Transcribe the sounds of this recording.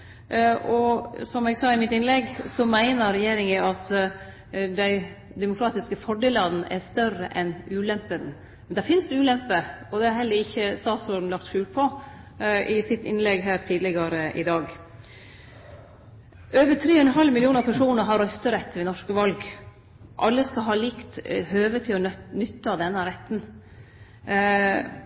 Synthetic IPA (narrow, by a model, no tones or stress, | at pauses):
ʔɔsɔmɛɡsɑːɪmɪt̪ɪnlɛɡsɔmæɪnəɾɛjeːɾɪŋəɑt̪ | d̪æɪ | d̪ɛmʊkʰɾɑːt̪ɪskəfɔɖɛːlɑd̪n̩ʔɛst̪œrəʔɛnʉːlɛmpəd̪n | mɛnd̪æɾfɪnsd̪ʉːlɛmpəɔd̪ɛhɑɾhɛlːəɾɪçːəst̪ɑːt̪sɔɾɖn̩lɑkt̪ʃʂʉːlpʰɔ | ʔɪsɪt̪ɪnlɛɡɦæːɾt̪ʰiːd̪lɪɡɑɾəʔɪd̪ɑːɡ | øːʋət̪ʰɾeːɔɛnnɦɑlmɪlɪuːnɑpʰæʂuːnəɾɦɑɾœst̪əɾɛt̪ːʋɛnɔʂkəʋɑlɡ | ʔɑlːəskɑlɦɑːlɪkt̪høːʋət̪ʰɪlɔnʏt̪ːəɑd̪ɛnːəɾɛt̪ːn